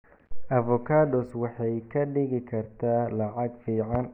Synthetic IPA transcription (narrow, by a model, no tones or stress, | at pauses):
ʔɐvɔkʰaːd̪ɔswɑħɑjkʰɐɖɪɣɪkʰɐrt̪ʰaːlɑʕɑɡfiːʕɑn